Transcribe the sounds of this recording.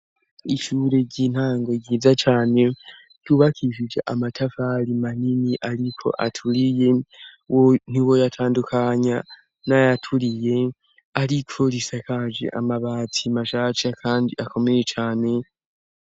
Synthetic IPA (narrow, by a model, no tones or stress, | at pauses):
iʃuːɾe̞ɟiːn̥haːŋɡo̞ɟiːzat͡ʃaːne̞ | d̥uβakʰiʃid͡ʒḛʔamatʰafaɾimaniniʔaɾikʰo̞̰ʔatʰuɾije̞won̥iwo̞jatʰaːndukʰaɲa | najatʰuɾije̞ | aɾikʰo̞ɾisakʰad͡ʒḛʔa̰maβaːt͡sʰimaʃaːt͡ʃakʰaːndiako̞me̞je̞t͡ʃaːne̞